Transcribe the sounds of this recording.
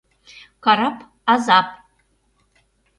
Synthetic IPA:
kʰaɾapʰʼ | azapʼ

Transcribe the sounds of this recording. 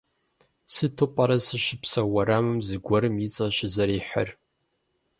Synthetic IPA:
sɨtʰɨpʼɐɾɐsɨʃɪpsɐwɐɾamɨmzɨɡʷɔɾɨmjɪt͡sʼɐʃɪzɐɾiːħə̰r

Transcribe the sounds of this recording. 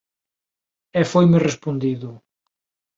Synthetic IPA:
ɛfojmɪrespond̪iðʊ

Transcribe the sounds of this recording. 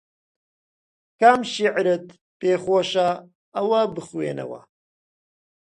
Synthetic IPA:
kamʃiʕɾɨt̪ | peːxoːʃa | ɐwɐbɨxwḛːnɐ̰wɐ̰

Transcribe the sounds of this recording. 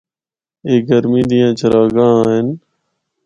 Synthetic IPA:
eːɡəɾmĩːd̪ijãːt͡ʃʰəɾaːɡãːɦɪn

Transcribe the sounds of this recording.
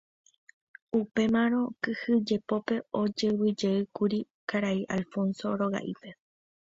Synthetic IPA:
upe̞mãɾ̃õ̞kɨhɨd͡ʒe̞po̞pe̞o̞d͡ʒeβɨd͡ʒeɨkuɾi | kaɾaiʔalfo̞nso̞ɾo̞ɣa̰ʔipe̞

